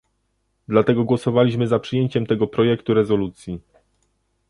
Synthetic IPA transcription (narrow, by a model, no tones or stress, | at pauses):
d̪lat̪ɛɡɔɡwɔsɔvalʲiɕmɘzapʂɘjeɲt͡ɕɛmt̪ɛɡɔpɾɔjɛkt̪uɾɛzɔlut̪sʲji